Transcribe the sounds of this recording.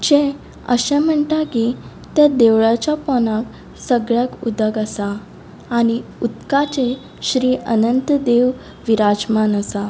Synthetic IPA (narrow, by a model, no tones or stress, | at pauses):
d͡ʑɛ̃ | ə̰ɕɛ̃m̤əɳʈ̪aki | t̪ɛ̃d̪eʋɭat͡ɕjapɔnak | səɡɭjakṵd̪əɡəsaː | ɽ̃iut̪kat͡ɕẽ | ɕɾiːənənt̪d̪eʋ | ʋiɾad͡ʑmanəsa